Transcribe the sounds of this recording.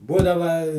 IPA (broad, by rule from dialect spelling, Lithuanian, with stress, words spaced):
ˈbuːdɐʋɐ